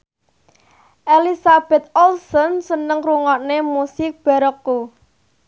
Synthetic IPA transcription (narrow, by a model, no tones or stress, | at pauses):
ʔelisab̥ɛ̤t̪̚ɔlsɔnsənəŋruŋɔnemusɪk̚b̥a̤ɾɔkːu